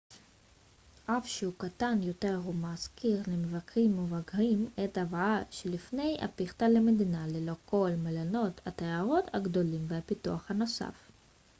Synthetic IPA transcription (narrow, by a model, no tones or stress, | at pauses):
ʔafʃeukat̪anjo̞t̪e̞ʁumaskiʁlemevakʁimːevakʁimet̪avaaʃelifne̞ja̰piχt̪alemed̪inalelo̞ko̞lmelano̞t̪hat̪eaʁo̞t̪haɡd̪o̞limvehapit̪uaχhano̞sa̰f